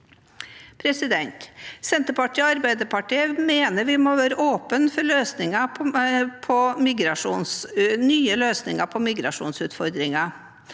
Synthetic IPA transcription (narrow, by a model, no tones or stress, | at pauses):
pʰɾɛsɪd̪ɛnt̪sɛnt̪əɾpɑʈʰiːɔɑɾbæɪd̪əpʰɑʈiːəmeːnəɾʋɪmoːʋæːɾəʔoːpənfɔɾɭøːsnɪŋɑ | pʰɔmɪɡɾɑʂuːnsnyːəløːsnɪ̰ŋɑpʰɔmɪɡɾɑ̰ʂṵːnsʉːt̪fɔɾd̪ɾɪŋɑ